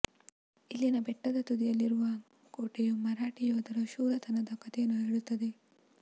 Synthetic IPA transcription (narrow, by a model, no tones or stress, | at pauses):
ilːinɐbɛʈːɐd̪ɐt̪ud̪ijɐlːiɾuʋɐ | koːʈejumɐɾaːʈijoːd̪ɐɾɐʃuːɾɐt̪ʰɐnɐd̪ɐkɐt̪ejɐnːueɽut̪ːɐd̪e̞